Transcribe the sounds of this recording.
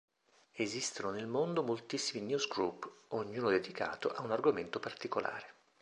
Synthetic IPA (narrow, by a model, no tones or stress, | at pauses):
ezist̪ononelmond̪omolt̪isːiminjuzɡɾupːoɲːuːnod̪ed̪ika̰ːt̪oʔaunarɡoment̪opart̪ikolʔa̰ːɾe